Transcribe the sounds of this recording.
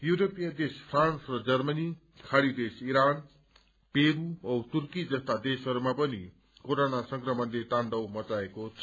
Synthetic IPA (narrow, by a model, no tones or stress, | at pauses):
juɾopijad̪espʰransrʌd͡zʌrmʌni | kʰaɽid̪esiɾan | peɾuʌt̪urkid͡zʌst̪ad̪esʌɾumapʌni | koɾonasʌŋɡrʌmʌnd̪eʈaɳɖʌwmʌt͡saekot͡sʰʌ